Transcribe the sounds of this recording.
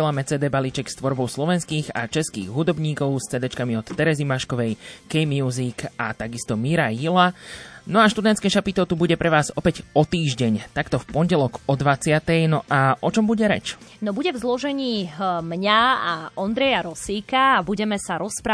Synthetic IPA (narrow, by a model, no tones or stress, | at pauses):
lamɛt͡sɛːd̪ɛːbalit͡ʃɛkst̪ʋɔɾbɔʊslɔʋɛnskiːɣa̰t͡ʃɛskḭːɣɦud̪ɔbɲiːkɔʊst͡sɛːd̪ɛt͡ʃkamiɔt̪ːɛɾɛzimaʃkɔʋɛjkɛjmɪuːzikʰat̪aɡist̪ɔmiɾajilanɔaʃt̪ud̪ɛnt̪skɛːʃapit̪ɔt̪ubuɟɛpɾɛʋaːzɔpɛɟɔt̪iːʒɟɛɲt̪akt̪ɔfpɔɲɟɛlɔɡɔd̪ʋat͡sɪat̪ɛjnɔʔaʔɔt͡ʃɔmbuɟɛɾɛ̰t͡ʃnɔbuɟɛvzlɔʒɛɲiːmɲaaɔnd̪ɾɛjaɾɔsiːkaːbuɟɛmɛsaɾɔspɾa